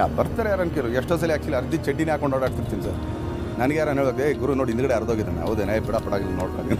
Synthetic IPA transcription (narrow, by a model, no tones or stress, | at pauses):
a̰bɐɾt̪aːɾejaːɾɐnkeɾueʂʈoːs̬ɐlːiaːkt͡ʃːiɐlɐɾit̪it͡ʃeʈːineaːkoɳɖnoːɽaːʈt̪iɾt̪iːnisa̰ːɾ | nɐnɐɡejaːɾaneɭod̪eɡuɾunoːɽind̪ɡɐɽeɐɾd̪oːɡid̪ɐnːa̰ɐ̰ʋd̪eːnabiɽapɐɽaːɡiɾunoːɽk̪a̰ɡ̪in